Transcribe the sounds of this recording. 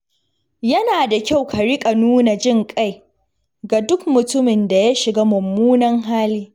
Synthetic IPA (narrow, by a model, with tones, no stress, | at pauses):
jɐ˦naː˨da˨kʲa˦˨wkʰa˨ɽɪ˦kʼa˨nuː˦na˨d͡ʒɪ˦˨ŋkʼa˦j | ɡa˨dʊ˦kmʊ˨tʊ˦mɪ˨nda˨ja˦ʃɪ˨ɡaː˦mʊ˨mːuː˦nɐ˦ŋɦaː˦liː˦